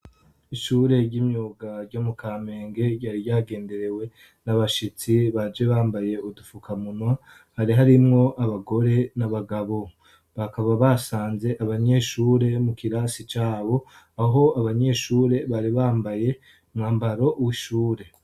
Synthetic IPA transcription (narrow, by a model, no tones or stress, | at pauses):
iʃuːɾe̞ɾɟimɲuːɡaɾɟomukʰaːme̞ːŋɡe̞ɾɟaːɾiɟaːɡe̞ːnde̞ɾe̞we̞ | naβaʃit͡siβad͡ʒe̞βaːmbaje̞udufukamunwa | haɾiɦaɾimŋo̞ʔaβaɡo̞ɾe̞naβaɡaβo̞ | βakaβaβasaːnze̞ʔaβaɲe̞ʃuːɾe̞mukiɾasit͡ʃaːβo̞ | aɦo̞aβaɲe̞ʃuːɾe̞βaɾiβaːmbaje̞ | umŋaːmbaɾo̞ʔuwiʃuːɾe̞